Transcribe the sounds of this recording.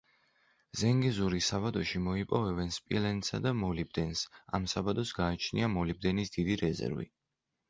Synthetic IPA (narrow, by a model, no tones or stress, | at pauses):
z̥ɛŋɡɛzuɾisaβad̪ɔʃimɔipʼɔvɛbɛnspʼḭlɛnsa̰d̪amɔlib̚d̪ɛnsa̰msabad̪ɔsɡaːt͡ʃʰnḭamɔlib̚d̪ɛnisd̪̥id̪iɾɛzɛ̰ɾvḭ